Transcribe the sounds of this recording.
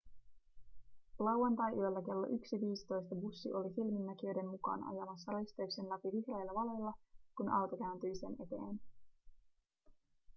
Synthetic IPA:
lɑwɑnt̪ɑjʔyølːæke̞lːo̞̰ʔyksiʋiːst̪o̞jst̪ɑbusːiʔo̞lisilminːækiø̞jde̞nmukɑ̰ːnɑ̰jɑmɑsːɑɾist̪eykse̞nlæpiʋihrejlːɑʋɑle̞jlːɑkunʔɑ̰wt̪okæynt̪yjse̞ne̞t̪e̞̰ːn

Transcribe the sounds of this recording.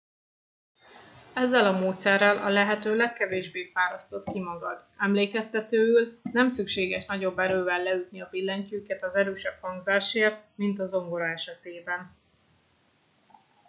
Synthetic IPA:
ɛzːɛlɒmoːt̪sɛrːɒlʔɒlɛɦɛt̪øːlɛkːɛveːʒbeːfaːɾɒst̪o̞t̪kimɒɡɒd̪ɛmleːkɛst̪ɛt̪øːylnɛmsykʃeːɡɛʃnɒɟo̞bːɛɾøːvɛlːɛyt̪niɒvilːɛɲcyːkɛt̪ɒzɛɾøːʃɛphɒŋɡzaːʃeːrt̪mint̪ɒzo̞ŋɡo̞ɾɒɛʃɛt̪eːbɛn

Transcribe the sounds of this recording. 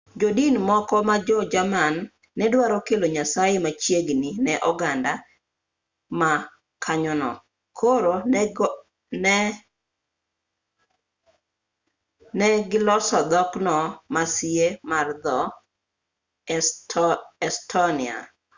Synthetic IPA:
d͡ʒodinmɔkɔmad͡ʒɔd͡ʒamanː | ɛdwaɾɔkeloɲasajemat͡ʃjeɡninɛʔɔɡanda | ma | kʰaɲɔnɔ̰ | kʰoɾo | nɛɡɪlɔsɔd̪ɔknɔmasiemard̪ɔ | ɛstʰɔnia̰

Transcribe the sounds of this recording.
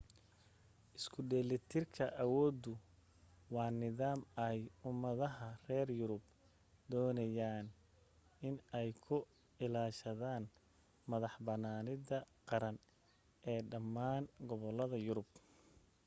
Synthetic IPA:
ʔɪskʰʊɖɛːlɪt̪ʰɪrkʰɐʔɐwɔːd̪ʊ | wɑːnɪðaːmɛjʊmːɐðɐɦɐrɛːrjʊɾʊb | d̪ɔːnɐjaːn | ʔɪnɛjkʰʊ | ɪlaːʃɐðaːn | mɐðɑħbɐnaːnɪðɐqɑɾɐn | ʔɛːɖɐmːaːnɡɔβɔlɐðɐjʊɾʊb

